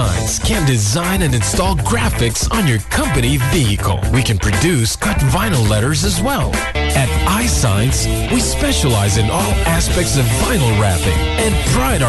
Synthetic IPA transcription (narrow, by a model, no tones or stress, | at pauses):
ãɪ̃nskʰɨ̃ndɨzãɪ̃nɨ̃nɨ̃nstɔlˠɡɹæfɨksn̩jə˞kʰʌ̃mpɨniviɨkʰl̩ˠwikɨ̃npʰɹ̥ɨdʉskʰʌtvãɪ̃nl̩ˠlɛɾə˞zɨzwɛlˠ | ɨɾaɪsã̰ɪ̃ns | wispɛʃəlaɪzɨ̃nʔɔlˠæspɛk̚tsʌvːãɪ̃nl̩ˠɹæfɪ̰̃ŋ | ɨ̃npʰɹ̥aɪɾ